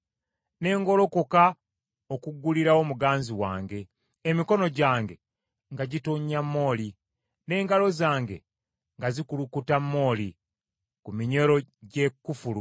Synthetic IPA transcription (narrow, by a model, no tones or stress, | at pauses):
ne̞ːŋɡo̞lo̞koka | okuɡːuliɾaomuɡaːnziwa̰ːŋɡe̞ː | miko̞no̞ɟaːŋɡe̞ | ŋɡaɟitoɲːamːo̞ːli | ne̞ːŋɡalo̞zaːŋɡe̞̰ | ŋɡazikulukutamːo̞ːli | kumiɲe̞ɾo̞ɟe̞kːufulu